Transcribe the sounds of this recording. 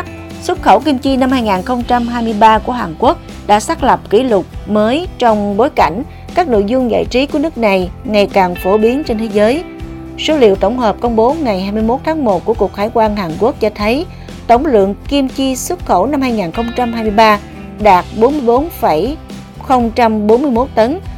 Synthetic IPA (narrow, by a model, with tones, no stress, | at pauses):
swə˦˥t̚xə˧˩wki˧mt͡ɕi˧na˧mhaː˧jŋaː˨˩nxə˧wŋ͡mt͡ɕa˧mɦaː˧jmɨ˧jɓaː˧ku˧˩əɦaː˨˩nku˦˥ək̚ | ɗa̰ː˧˥saː˦˥k̚lə˨˩p̚kḭ˧˩lʊ˨˩k͡p̚məː˨˦jt͡ɕɔ˧wŋ͡mɓo˨˦jka˧˩jŋ̟ | kaː˦˥k̚no̰˧˨jzʊ˧ŋ͡mza̰ː˧˨jt͡ɕi˨˦ku˧˩ənɨ˦˥ək̚na˨˩jŋa˨˩jkaː˨˩ŋfo˧˩ɓi˨˦ənt͡ɕe˧nt̪ʰe˨˦zəː˨˦j | so˨˦lḭ˧˨əwt̪ə˧˩wŋ͡mɦəː˨˩p̚kə˧wŋ͡mɓo˨˦ŋa˨˩jhaː˧jmɨ˧jmo˦˥t̚t̪ʰaː˨˦ŋmo˨˩t̚ku˧˩əku˨˩ək̚xaː˧˩jkwaː˧nɦaː˨˩nku˦˥ək̚t͡ɕɔ˧t̪ʰə˨˦j | t̪ə˧˩wŋ͡mlɨ̰˧˨əŋki˧əmt͡ɕi˧swə˦˥t̚xo˧˩wna˧mhaː˧jŋaː˨˩nxə˧wŋ͡mt͡ɕa˧mhaː˧jmɨ˧jɓaː˧ | ɗaː˨˩t̚ɓo˨˦nmɨ˧əjɓo˨˦nfa˧˩j | xə˧wŋ͡mt͡ɕa˧mɓo˨˦nmɨ˧əjmo˦˥t̚t̪ə˨˦n